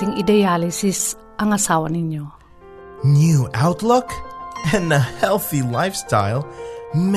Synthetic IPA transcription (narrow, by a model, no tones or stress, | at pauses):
iŋidɛalisis | ʔaŋasawaniɲo | njʉʔaʊtˡlʊkɨ̃nəhɛlˠθilaɪfstʰa̰ɪlˠm